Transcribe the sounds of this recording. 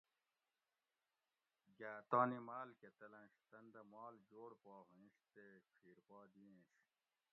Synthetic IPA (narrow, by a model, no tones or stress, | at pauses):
ɡaːt̪aːnimaːlket̪ɐlɐ̃nʂt̪ɐnd̪ɐmɑːld͡ʑoːɽpoːɦĩʂt̪ekʰiːɾpaːd̪iẽɕ